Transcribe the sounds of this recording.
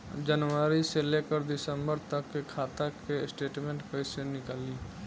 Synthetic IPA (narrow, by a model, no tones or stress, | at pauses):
d͡ʒənʋəɾiselekəɾd̪ɪsə̃mbəɾt̪əkːekʰaːt̪akesʈeːʈmẽːɳʈkəisenɪkaːli